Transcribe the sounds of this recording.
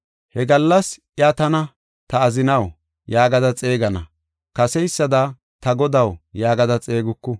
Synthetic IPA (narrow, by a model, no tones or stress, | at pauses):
hɛɡɐlːɐsʔjat̪ɐnɐ | t̪ɐːzɪnɐw | jaːɡɐd̪ɐt͡sʼe̞ːɡɐnɐ̰ | kɐsɛjsːɐd̪ɐ | t̪ɐɡɔd̪ɐwjaːɡɐd̪ɐt͡sʼe̞ːɡʊkːʊ